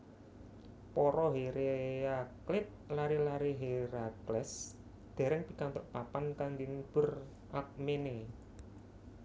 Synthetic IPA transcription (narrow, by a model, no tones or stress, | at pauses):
pɔɾɔɦeɾeaklɪt̪̚laɾilaɾiɦeɾaklɛs | d̪̥a̤ɾɪŋpikant̪ʊʔpapankaŋd̪inb̥ʊ̤r | ʔak̚mene